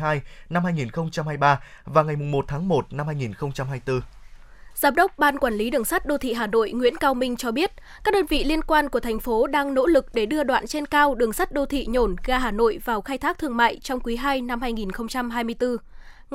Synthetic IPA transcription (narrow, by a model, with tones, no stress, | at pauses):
aː˧jna˧mhaː˧jŋi˨˩nxə˧wŋ͡mt͡ɕa˧mhaː˧jɓaː˧ | vaː˨˩wŋa˨˩jmʊ˨˩ŋ͡mmo˨˩t̚t̪ʰaː˨˦ŋmo˨˩t̚na˧mhaː˧jŋi˨˩nxə˧wŋ͡mt͡ɕa˧mhaː˧jt̪ɨ˧ | z̥aː˨˦mɗə˦˥wk͡p̚ɓaː˧nkwaː˧˩nli˨˦ɗɨ˨˩əŋsa˦˥t̚ɗo˧t̪ʰḭ˧˨ɦaː˨˩no̰˧˨jŋwḭ˧˥ənkaː˧wmï˧ŋ̟t͡ɕɔ˧ɓi˦˥ət̚kaː˦˥k̚ɗəː˧nvḭ˧˨li˧ənkwaː˧nku˧˩ət̪ʰɛ˨˩jŋ̟fo˨˦ɗaː˧ŋno̰˧˥lɨ˨˩k̚ɗe˧˩ɗɨ˧əɗwa̰ː˧˨nt͡ɕe˧nkaː˧wɗɨ˨˩əŋsa˦˥t̚ɗo˧t̪ʰḭ˧˨ɲo˧˩nɣaː˧ɦaː˨˩no̰˧˨jvaː˨˩wxaː˧jt̪ʰaː˦˥k̚t̪ʰɨ˧əŋma̰ː˧˨jt͡ɕɔ˧wŋ͡mkwi˨˦ɦaː˧jna˧mhaː˧jŋi˨˩nxə˧wŋ͡mt͡ɕa˧mɦaː˧jmɨ˧əjt̪ɨ˧